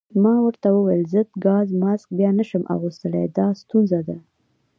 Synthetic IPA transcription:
mɑwəɾt̪awəwajəlzəd̪ɡɑzmɑsk̚bjɑnəʃəmʔa̰ɣust̪əlḛjd̪ɑst̪unzad̪a

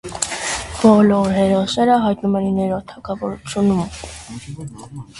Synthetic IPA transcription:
b̥ɔlɔɾɦɛɾɔsnɛɾəɦɑjt̪numɛninɛɾɔt̪ʰɑkʰɑvɔɾut͡sʰjunum

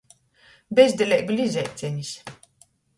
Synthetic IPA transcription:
bʲɛzʲd̪ʲɛlʲɛblʲizʲɛjt̪sʲɛɲisʲ

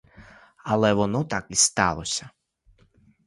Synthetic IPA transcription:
ɐlˠɛʋɔnɔt̪ɑkist̪ɑ̰lˠɔsʲɐ

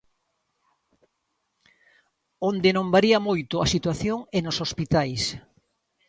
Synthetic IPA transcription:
ond̪ɪnõmbaɾiɐmojt̪ʊasit̪waθjoŋenosospit̪ajs

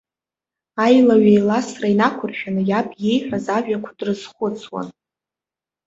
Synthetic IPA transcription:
ajlaɥejlasrainakʷʰʊrʃᶣanɨjapʰje̞jħʷᶣazaʒᶣakʷʰadrɨz̥χʷʊt͡sʰwa̰n

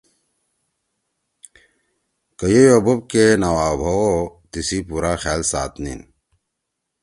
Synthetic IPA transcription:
kəjojobob̚kenawaːbʱɐwot̪isipuɾaxaːlsaːt̪nḭn

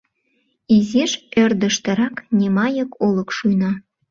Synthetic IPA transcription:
iziʒørd̪ə̆ʃt̪ə̆ɾɑknʲimɑjəkolə̆kʃujnɑ

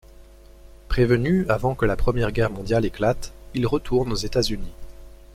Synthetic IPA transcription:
pχevənyavɑ̃kəlapχəmjɛʁɡʲɛʁmɔ̃d̪jaleklat̪ilʁət̪ʰuʁnozet̪azyni

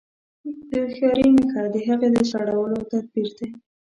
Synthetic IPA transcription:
d̪əxɑɾinɪkɑd̪əɦaɣed̪əsaɽawəlot̪ad̪̚biɾd̪e

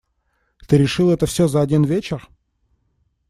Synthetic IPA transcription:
t̪ɨɾʲɪʂɨlˠɛt̪əfsʲɵzɐɐdʲinvʲet͡ɕɪr

